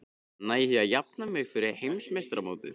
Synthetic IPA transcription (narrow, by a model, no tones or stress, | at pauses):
najhiajap̚namœjfɪɾɪhejmsmest̪ɾamoːwt̪ɪ̰